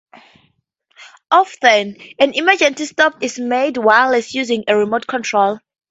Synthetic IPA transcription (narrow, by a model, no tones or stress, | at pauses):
ʔɔfθə̃næ̃niməd͡ʒə̃nsistɔpɪsmedwaɪləsjuzɪ̃ŋəɹimoʊtkʰɔ̃ntʰɹ̥ol